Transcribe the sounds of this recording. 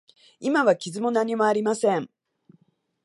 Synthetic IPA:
imaβakʲizɨmo̞naɲ̟imo̞aɾʲimasẽ̞ɴ

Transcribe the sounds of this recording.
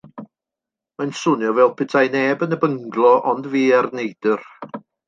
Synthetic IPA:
majnsʊnjɔvɛlˠpʰɪtʰajnɛbənəbəŋɡlˠɔʔɔndviːarnejd̥ər

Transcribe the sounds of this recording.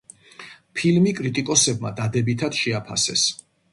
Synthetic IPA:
pʰilmikʼɾit̪ʼikʼɔsɛb̚mad̪ad̪ɛbit̪ʰad̪̥ʃɛapʰa̰sɛ̰s

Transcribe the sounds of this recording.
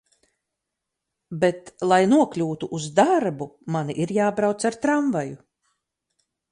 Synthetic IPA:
bet̪lˠajnuɔklʲuːt̪uʔuzd̪aɾbumaniʔiɾjaːbɾawt̪saɾt̪ɾaɱvaju

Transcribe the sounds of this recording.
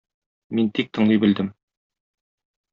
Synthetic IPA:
mint̪ik̚t̪ɤ̆ɴlˠɤjbɘ̆ld̪ɘm

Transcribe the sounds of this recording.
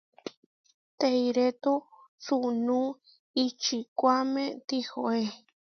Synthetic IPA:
t̪eiɾet̪u | sunũ | it͡ʃikʷamẽt̪ihoe

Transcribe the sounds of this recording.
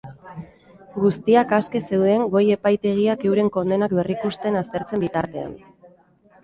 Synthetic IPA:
ɡust̪iakaske̞se̞wðe̞ŋɡo̞je̞pajt̪e̞ɣ̞iake̞wɾe̞ŋko̞nd̪e̞nakbe̞rikust̪e̞nast̪e̞ɾt͡se̞mbit̪aɾt̪e̞a̰n

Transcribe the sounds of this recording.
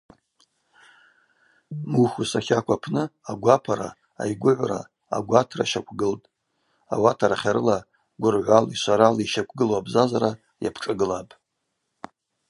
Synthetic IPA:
muxusaχʲakʷʰapʰnɨaɡʷapʰaɾa̰ː | jɡʷʊʕʷra̰ | a̰ɡʷatʰra̰ʃakʷʰɡɨltʼ | awatʰaɾaχʲaɾɨla | ɡʷʊrʕʷaliʃʷaɾaliʃakʷʰɡɨlwabzazaɾa | ja̰pʰʈ͡ʂʼaɡɨlapʼ

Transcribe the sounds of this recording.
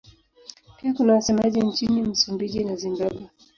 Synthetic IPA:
piakunawasɛmaʄint͡ʃinim̩sumbiʄinazimbaɓwa

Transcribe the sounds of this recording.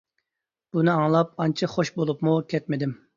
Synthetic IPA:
b̥unɪɑŋlˠɑp̚ɑnt͡ʃʰɨχoʃbolˠupmukʲʰɛt̪mɪd̪ɪm

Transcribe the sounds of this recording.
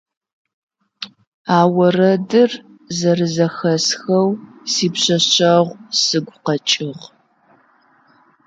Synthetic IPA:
aːwɐrɐdɨr | zɐrɨzɐxɐsxɐwsiːpɕɐɕɕɐʁʷsɨɡʷqɐt͡ʃʼɪʁ

